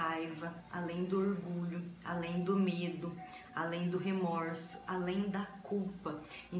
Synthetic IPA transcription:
ajvɐa̰lẽj̃d̪ʊoɾɡuʎʊa̰lẽj̃d̪ʊmed̪ʊ | alẽj̃d̪ʊɦemɔɾsʊ̥ʔalẽj̃d̪ɐkuwpɐẽ

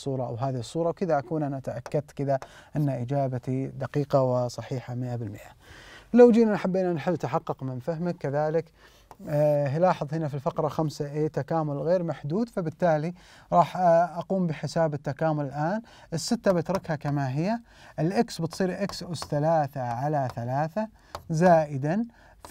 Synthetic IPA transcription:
uːɾˤɑʔa̰wɦaːðihɨsˤːuːɾˤɑwkɪðaʔakuːnʔanat̪aʔakːad̪̚kɪðaʔɪnːaʔɪd͡ʒaːbat̪id̪aqiːqɑwɪsˤɑħiːħamɪʔabɪlmɪʔalawd͡ʒiːnanħabːiːnanħɪlːt̪aħɑqːɑqmɪnfaɦmakːaðaːlɪk | ɦilɑːħɨðˤhɪnafilfɑqɾˤɑxamsaʔeːt̪akaːmʊlɣeːɾmaħd̪uːd̪fabɪt̪ːaːli | ɾˤɑːħʔaquːmbɪħɪsaːbɪt̪ːakaːmʊlɪlʔaːn | ʔɪsːɪt̪ːabɪt̪ɾˤɪkhakamaɦɪjːa | ʔɪlʔɪksbɪt̪sˤiːɾʔɪksʔʊsθalaːθaʕalaθalaːθa | zaːʔɪd̪an

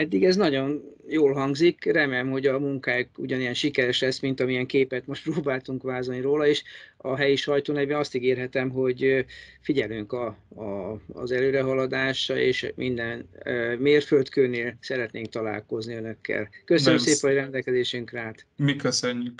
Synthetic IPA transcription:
ɛd̪ːiɡɛznɒɟo̞njoːlɦɒŋɡzikrɛmeːlɛmɦo̞ɟɒmuŋkaːjokṵɟɒnijɛnʃikɛɾɛʃlɛsmint̪ɒmijɛŋkeːpɛt̪mo̞ʃt̪proːbaːlt̪uŋkʋaːzolniɾoːlɒeːʃɒɦɛjiʃɒjt̪oːnɛveːnɒst̪iɡeːrɦɛt̪ɛmɦo̞ɟfiɟɛlyŋkɒː | zɛløːɾɛɦɒlɒd̪aːʃɒḛːʃmʔind̪ɛnmeːrfølt̪køːneːlsɛɾɛt̪neːŋk̚t̪ɒla̰ːlko̞zniø̞nø̞kʰːɛ̰lkøsønømseːpɛɦojrɛnd̪ɛlkɛzeːʃyŋkraːt̪mikøsøɲːyk

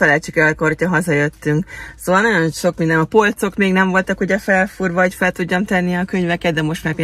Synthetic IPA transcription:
fɛlɛlt͡ʃikɛlkorcɒɦɒzɒjø̞t̪ːyŋksoːvɒlnɒjo̞nʃo̞kmind̪ɛnɒpo̞lt̪so̞kmeːɡnɛɱvo̞lt̪ɒkuɟɛfɛlfurvɒɒcfɛlt̪uɟːɒmt̪ɛnːiɒkøɲvɛkɛd̪d̪ɛmo̞ʃt̪mak

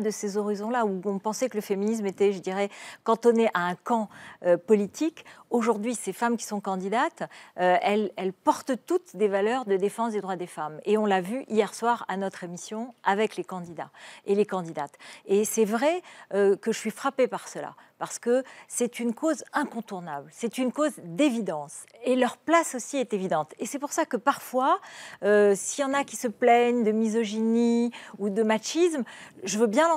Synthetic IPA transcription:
d̪əsezɔʁizɔ̃lauɔ̃pɑ̃sɛkələfeminis̬met̪ɛʒəd̪iʁɛkɑ̃t̪ɔneʔaɛ̃kɑ̃øpɔlit̪ʰikoʒuʁd̪ɥisefamkʲi̥sɔ̃kɑ̃d̪id̪at̪øɛlɛlpɔʁt̪t̪ut̪d̪evalœʁd̪əd̪efɑ̃sd̪ed̪ʁwad̪efameɔ̃lavyʔijɛʁswaʁa̰nɔt̪χemisjɔ̃avɛklekɑ̃d̪id̪a̰elekɑ̃d̪id̪at̪esɛvʁɛøkəʒəsɥifχapepaʁsəla̰paʁsə̥kəsɛt̪ynkozɛ̃kɔ̃t̪uʁnablsɛt̪ynkozd̪evid̪ɑ̃s | elœʁplasosiɛt̪evid̪ɑ̃t̪esɛpuʁsakəpaʁfwaøsijɑ̃nakʲi̥səplɛɲd̪əmizɔʒiniud̪əmaʃismʒəvəbjɛ̃lɑ̃

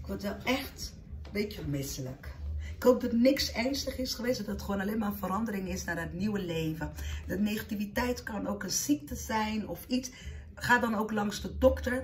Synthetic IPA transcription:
ɪkʋɔɹtʋɛlˠɛxt | betəmɪsələ̰kɪ̥kɦowp̚dɑtnɪksɛrnstəχɪsχəʋejsdɔdɔətχʋoːnalejmaːrənfəɾɑndərɪŋɪsnaːrdətniwəlejvədənejχativitɛjtkɑnowkənsik̚təzɛjnɔfit | χaːdɑnowklɑŋsdədɔktə

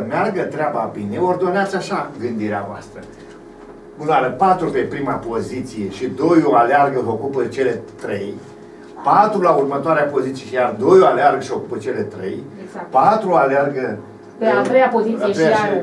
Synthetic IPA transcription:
əmearɡət̪ɾeababineord̪o̞neat̪sʲaʃaɡɨnd̪iɾeavoa̰st̪ɾə | unaɾəpat̪ɾupe̞pɾimapo̞zit̪sije̞ʃid̪o̞joalearɡəvəo̞kupət͡ʃe̞le̞t̪ɾe̞j | pat̪ɾulaurmət̪oaɾeapo̞zit̪sieʃijard̪o̞joalearɡəʃio̞kupət͡ʃe̞le̞t̪ɾe̞̰jpat̪ɾuoalearɡə | at̪ɾejapozispe

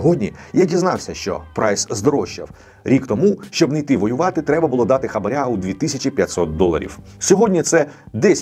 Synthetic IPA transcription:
ɦɔdʲnʲijadʲiznɑwsʲɐʃt͡ʃɔ̰pɾɑjszd̪ɔɾɔʃt͡ʃɐ̰w | ɾʲikt̪ɔmuʃt͡ʃɔbnɐjt̪ɪʋɔjʊʋɑt̪ɪt̪ɾɛbɐbʊlˠɔd̪ɑt̪ɪxɐbɐɾʲaud̪ʲʋʲit̪ɪsʲɐt͡ʃʲipʲjɐtʲsɔt̪̚d̪ɔlˠɐ̰ɾʲḭw | sʲɔɦɔdʲnʲit̪sɛ | d̪ɛsʲ

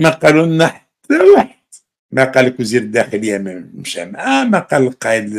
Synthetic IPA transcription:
mæqɑlunːaħat̪ʰːæwaħəd̪̥ | mæqɑləkwziɾəd̪ːæxələjːæmmʃæ̰mʕæmæqɑlqɑəl

